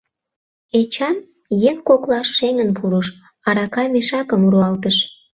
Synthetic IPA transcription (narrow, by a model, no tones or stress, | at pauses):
et͡ɕɑn | jeŋkoklɑʃːeŋənpʰuɾuʃ | ɑɾɑkɑmeʃɑkəmuɾuɑlt̪əʃ